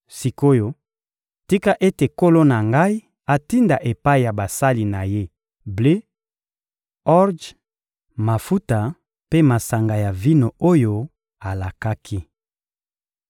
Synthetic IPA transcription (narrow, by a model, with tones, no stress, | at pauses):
si˨ko˦jo˦ | ti˦ka˦ʔe˦te˨ko˦lo˦na˨ŋɡa˦i˦ | a˨ti˦nda˨ʔe˨pa˦i˨ja˨ba˨sa˦li˨na˨je˦ | ble˦ | ɔ˦ʁd͡ʒ | ma˨fu˦ta˨ | pe˦ma˨sa˨ŋɡa˨ja˨vi˦no˨o˦jo˦ | a˨la˨ka˦kʰi˦